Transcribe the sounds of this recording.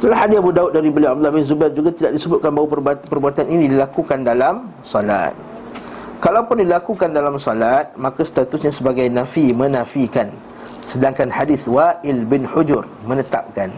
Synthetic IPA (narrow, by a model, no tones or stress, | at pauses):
dəlahadɪsabudaʊt̪̚daɾibəliab̚d̪ulahbɪnzubard͡ʒuɡat̪idaʔ̚disəbʊt̪̚kanbaɦwupərbat̪pərbuat̪aninĩdilakukandalam | sɔla̰t̪̚ | kalawpʊndilakukandalamsɔlat̪̚mãkast̪at̪usɲasəbaɡajnãfimə̃nãfikan | sədaŋkanħadɪθwaʔɪlbɪnħʊd͡ʒʊr | mə̃nət̪ap̚kan